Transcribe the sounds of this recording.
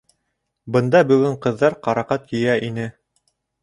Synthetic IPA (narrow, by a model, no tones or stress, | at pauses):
bɤ̆nd̪ɑbɵ̆ɡɵɴqɤ̆ðːɑɾqɑɾɑqɑt̪jɵ̆jæʔinɘ